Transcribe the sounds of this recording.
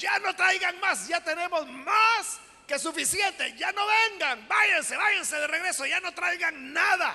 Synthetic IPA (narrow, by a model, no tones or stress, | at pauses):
d͡ʒano̞t̪ɾajɣaŋmasɟ͡ʝat̪e̞ne̞mo̞zmas | ke̞sufisjent̪eʝano̞βeŋɡaŋbaʝanse̞βajanse̞ðereɣɾe̞so̞ʝano̞t̪ɾajɣaŋnaða̰